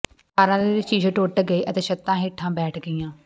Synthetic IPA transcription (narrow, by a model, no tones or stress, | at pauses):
kaːɾãːd̪eːɪt͡ʃiːd͡ʒẽːʈoːʈɡəeːʔət̪ẽːʃət̪ːãːɦeːʈʰãːbɛːʈʰɡəiːãː